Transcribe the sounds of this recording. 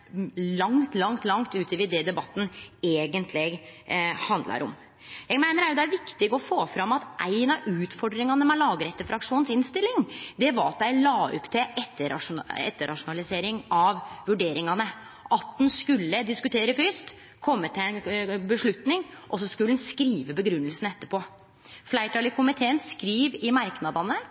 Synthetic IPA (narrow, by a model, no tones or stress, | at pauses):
lɑŋt̪lɑŋt̪lɑŋt̪ʉːt̪əʋɪd̪ɛd̪ɛbɑt̪ːn̩eːɡənt̪ʰlɪɡhɑnd̪lɑ̰ɾʔɔ̰m | jæɡmæɪnəɾæɾjʊd̪ɛæɾʋɪkt̪ɪɡɔfoːfɾɑmɑt̪ʔæɪnɑʉːt̪fɔɖɾɪŋɑnəmɛlɑːɡəɾɛt̪ːəfɾɑkʂuːnsɪnst̪ɪlːɪŋd̪ɛʋɑɾɑt̪̚d̪æɪlɑːɔ̰pt̪ʰɪʔɛt̪ːəɾɑ̰ʂɛ̰t̪ːəɾʔɑ̰ʂʊnɑlɪseːɾɪŋɑʋʋʉɖeːɾɪŋɑnə | ʔɑt̪̚ːd̪nskʉlːəd̪ɪskʉt̪ʰeːɾəfyːst̪ | kʰɔmːət̪ʰɪɛnbəʂɭʉt̪nɪŋʔɔs̬ːɔskʉlːnskɾiːʋəbəɡɾʉnːəlsn̩ɛt̪ːəpʰoː | flæɪʈʰɑlɪkʰʊmɪt̪ʰeːənskɾiːʋɪmɑɾknɑd̪ɑnə